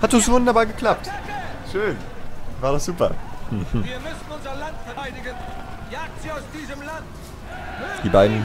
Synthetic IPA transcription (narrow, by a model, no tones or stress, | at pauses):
hat̚d̥ɔszovʊndɐbaːɐɡəkl̥ap̚tʃøːn | vaːɐdasz̥uːpɐ | viːɐmʏsn̩ʊnzɐlantfɛɐaɪdɪɡənjaːk̚z̥iːaʊsd̥iːzəmlant | d̥iːbaɪdn̩